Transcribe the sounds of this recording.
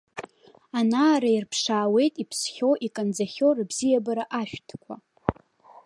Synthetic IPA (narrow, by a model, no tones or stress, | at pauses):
anaːɾairpʰʂaːwe̞jtʼipʰsχʲo̞ʔikʼand͡zaχʲo̞rbzijabaɾaʔaʃᶣtʰkʷʰa̰